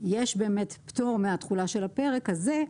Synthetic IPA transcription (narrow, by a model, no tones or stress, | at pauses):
jeʃbe̞ːmetpto̞ʁmeat̪χulaʃe̞lape̞ʁekhaze